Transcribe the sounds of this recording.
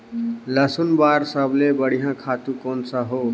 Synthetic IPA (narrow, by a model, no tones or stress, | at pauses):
ləsunbaɾsəblebəɽ̤iɦjãkʰaːt̪ũkonsəɦo